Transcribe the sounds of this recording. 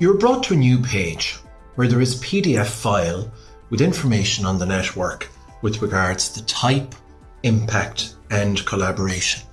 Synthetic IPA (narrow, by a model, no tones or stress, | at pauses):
jəə˞bɹɔtʰəːnjʉːpʰeɪ̥d͡ʒ | wə˞ðə˞ɪz̥pʰiɾiɛfaɪlˠ | wɪðɪ̃ɱfə˞meɪʃə̃nə̃nðənɛtwɜ˞k | wɪðɹɪɡaɹdz̥ðətʰaɪp | ɪ̃mpʰak̚t | ə̃nkʰəlabəɹeɪʃə̃n